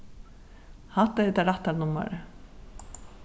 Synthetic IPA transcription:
haht̪aɛt̪aɾaht̪aɾnʊmːa̰ɾɪ

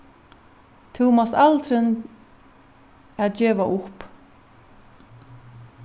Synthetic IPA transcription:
t̪ʰuːmasalt̪ɾɪn | aðd͡ʑɛːvaʔʊhp

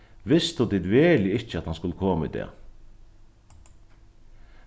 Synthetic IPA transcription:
ʋɪst̪ʊd̪id̪ʋɛːlɪɪçəɑt̪hanskʊlːəkʰoːməḭːd̪ɛ̰ː

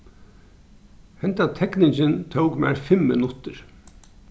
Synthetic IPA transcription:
hɛnt̪at̪ʰɛknɪɲt͡ʃɪnt̪ʰowkmæ̰ɹfɪmːɪnʊt̪ɪɾ

